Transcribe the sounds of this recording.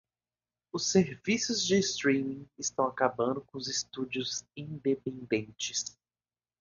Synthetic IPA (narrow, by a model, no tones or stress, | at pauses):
ʊsːeɾvisʊzd͡ʒɪst̪ɾĩmĩɪst̪ɐ̃w̃akabɐ̃nd̪ʊkõʊzɪst̪ud͡ʒiʊzĩd̪epẽnd̪ẽnt͡ʃɪs